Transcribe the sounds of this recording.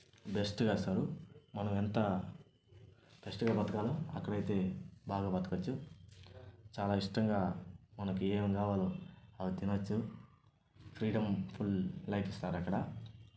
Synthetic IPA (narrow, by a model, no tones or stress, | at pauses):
be̞sʈɡaːsaːɾumɐnɐment̪ɐ | b̥esʈuɡaːbʱɐt̪ɐkaːloɐkːɐɽɐjt̪e̞ːbʱaːɡaːbɐt̪ɐkɐt͡ʃːu | t͡ʃaːlaːiʂʈɐŋɡaːmɐnɐkueŋɡaːʋaːloɐʋɐt̪inɐt͡ʃːu | pʰɾiːɖɐmpʰulːɐjpist̪aːɾɐkːɐɽɐ